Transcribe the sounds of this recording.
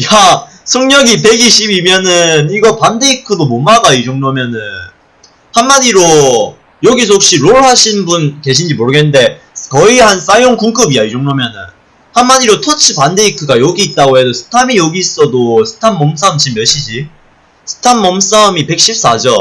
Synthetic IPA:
ja | sʰʌŋɲʌɡipe̞ɡiɕʰibimjʌnɯniɡʌpande̞ikʰɯdomomaɡaid͡ʑʌŋnomjʌnɯn | hanːadiɾo | jʌɡis̬ʰʌɦok̚ɕ͈iɾoɭhaɕʰinbunke̞ɕʰind͡ʑimoɾɯɡenːɯnde̞ | kʌihans͈ajoŋkuŋk͈ɯbiaid͡ʑʌŋnomjʌnɯn | hanmːadiɾotʰʌt͡ɕʰɯpande̞ikʰɯɡajʌɡiːt̚t͈aɡoɦe̞dosʰɯ̥tʰamijʌɡis͈ʌdosʰɯ̥tʰanːʌms͈aɯmt͡ɕimːjʌɕ͈ʰid͡ʑi | sʰɯ̥tʰanːʌms͈aɯmipe̞k̚ɕ͈ip̚s͈ad͡ʑʌ

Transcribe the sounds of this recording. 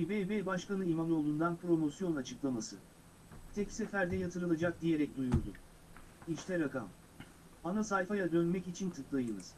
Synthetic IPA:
ibejbejbaʃkanɯijmanˠo̞lˠund̪anpɾo̞mo̞sjo̞nat͡ʃʰɯklˠamasɯ | t̪ʰɛcsefæɾd̪ɛjat̪ʰɯɾɯlˠad͡ʒakd̪ijeɾɛc̚d̪ujuɾd̪ʊ̰ | iʃt̪ʰɛɾaka̰m | anasajfajad̪ø̞nmɛcit͡ʃʰint̪ʰɯklˠajɯnɯz̥

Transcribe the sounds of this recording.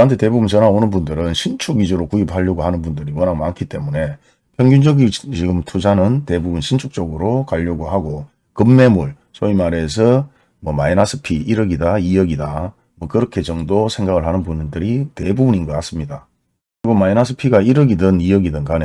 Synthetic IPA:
kɯantʰe̞te̞bubunt͡ɕʌnaonɯnbundɯɾɯnɕʰint͡ɕʰuɡid͡ʑoɾokuiphaʎːʌɡohanɯnbundɯɾiwʌnɦaŋmankʰit͈e̞mune̞ | pʰjʌŋɡjund͡ʑʌɡit͡ɕiɡɯmtʰud͡ʑanɯnte̞bubunɕʰint͡ɕʰuk̚t͡ɕ͈ʌɡɯɾokaʎːʌɡoɦaɡo | kɯmːe̞muɭ | sʰoimaɾe̞s̬ʰʌ | mʌma̰inasʰɯ̥pʰiiɾʌɡidaijʌɡida | mwʌkɯɾʌkʰe̞t͡ɕʌŋdosʰe̞ŋɡaɡɯɭɦanɯnbundɯɾite̞bubuninɡʌk͈as͈ɯmɲida | kɯɾiɡomainasʰɯ̥pʰiɡaiɾɯɡidɯnijʌɡidɯnkane

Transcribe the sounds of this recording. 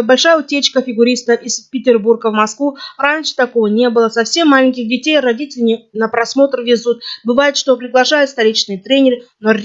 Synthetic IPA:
bɐlʲʂajəʊtʲet͡ɕkəfʲɪɡʊɾʲist̪əfɪspʲɪtʲɪrburɡəvmɐskvuranʲʂɨ̥t̪ɐko̞vənʲe̞bɨlˠəsɐfsʲe̞mːalʲɪnŋʲkʲɪxdʲɪtʲejrɐdʲitʲɪlʲɪmʲɪnəpɾɐsmo̞t̪rvʲɪzut̪̚bɨvajɪt̪ʂt̪o̞pɾʲɪɡlˠɐʂajʊt̪st̪ɐɾʲit͡ɕnɨjət̪ɾʲenʲɪɾɨnorʲ

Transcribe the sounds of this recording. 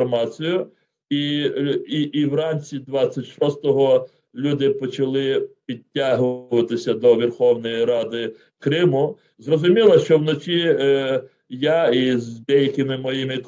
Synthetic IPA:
mɑt͡sʲijʊ | i | iʔːwrɑnʲt͡sʲid̪ʋɑt͡sʲːɐtʲʃɔst̪ɔɦɔ | lʲud̪ɪpɔt͡ʃɐlˠɪpʲid̚ʲtʲːaɦʊʋɐt̪ɪsʲɐd̪ɔʋʲirxɔwnɔjiɾɑd̪ɪ | kɾɪmʊ | zrɔzʊmʲilˠɐʃt͡ʃɔwnɔt͡ʃʲi | jaizd̪ɛjɐkɪmɪmɔjimɪk

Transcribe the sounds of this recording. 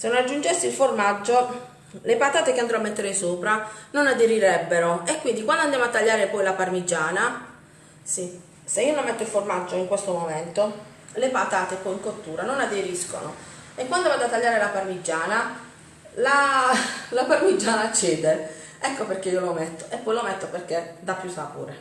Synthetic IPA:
senonad͡ʒːund͡ʒɛsːilformad͡ʒːo | lepat̪aːt̪ekeand̪ɾɔamːɛt̪ːeɾesoːpɾanonad̪eɾiɾɛbːeɾoekːwind̪ikwand̪ond̪jamoat̪ːaʎːaːɾepɔjlaparmid͡ʒːaːna | si | seiːonomːet̪ːoilformad͡ʒːoiŋkwest̪omomɛnt̪o | lepat̪aːt̪epɔiŋkot̪ːuːɾanonad̪eɾisko̰no̰ekːwand̪ovad̪oat̪ːaʎːaːɾelaparmid͡ʒːaːna | la | laparmid͡ʒːaːnat͡ʃːeːd̪e | ɛkːoperk̟eiolomɛt̪ːo̥ʔepːɔjlomɛt̪ːoperk̟ed̪apːjusapṵːɾe

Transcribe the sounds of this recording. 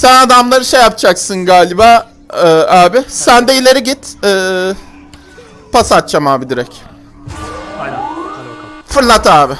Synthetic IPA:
sænad̪amlˠaɾɯʃe̞jap̚t͡ʃʰaksɯnɡaːlʲibaː | ɯːaːbɪsænd̪ɛilʲe̞ɾiɟit̪ɛː | pasat̪̚t͡ʃʰamaːbid̪iɾɛc | fɯɾlˠat̪aːbɪ

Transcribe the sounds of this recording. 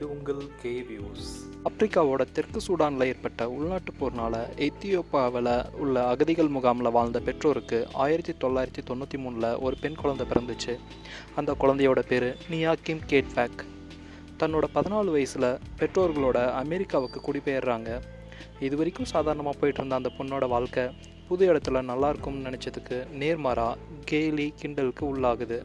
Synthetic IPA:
ɪʊŋɡɐɭkeːʋjuːs | ɐpːɾɪkːaːʋoːɽɐt̪ɪrkːɯsuːɽaːnlɐeːɾpɐʈːɐʊɭnaːʈːɯpːoːɾnaːlɐɛt̪ɪjoːpaːʋɐlɐʊɭːɐːɣɐðɪɣɐɭmʊɣaːmɐlɐʋaːɻnd̪ɐpɛʈroːɾɯkːɯa̰ːjɪɾɐt̪ːit̪ɔɭːaːjɪɾɐt̪ːit̪ɔnːut̪ːimuːnlɐʔɔɾɯpɛnkʊɻɐnd̪ɐpɪɾɐnd̪ɯt͡ʃːɯ | ɐnd̪ɐkːʊɻɐnd̪ɐjoːɽɐpeːɾɯnɪjaːkɪmkeːʈbaːk | t̪ɐnːoːɽɐpɐðɪnaːɭɯʋɐjɐsɪlɐpɛʈroːɾɣɐɭoːɽɐɐmɛɾɪkːaːʋɯkːɯkʊɽɪpːejɐɾɾaːŋɡɐ | ɪðɯʋɐɾɪkːʊ̃saːðaːɾɐɳɐmaːpoːjɪʈːɯɾɯnd̪ɐːnd̪ɐpɔnːoːɽɐʋaːɭkɐ | pʊðʊjɛɽɐt̪ːɪlɐnɐlːaːɪɾɯkːɯmnɪnɛt͡ʃːɐðɯkːɯneːɾmaːɾaːɡeːlikɪɳɖɐlɯkːɯʊɭːaːɣɯðɯ

